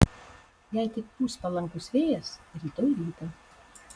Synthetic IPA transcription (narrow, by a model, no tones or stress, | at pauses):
jɛɪt̪ʲɪkpuːspɐlˠɐŋkʊsʋʲeːjɛsɾʲiːt̪oːjɾʲiːt̪ɐ